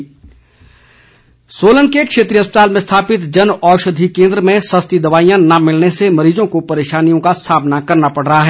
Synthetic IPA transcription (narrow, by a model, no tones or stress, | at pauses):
soːlə̃ŋkekʃeːt̪ɾiːɐspət̪aːlmẽst̪ʰaːpɪt̪d͡ʒɐnɔːʃəd̪ʱikẽːnd̪ɾəmẽsɐst̪id̪ɐʋaːijãnɐmɪlnesemɐɾiːzõkopɐɾeːʃaːnijõkasaːbnakɐɾnapɐɽ̤ɾɐɦaɦɛː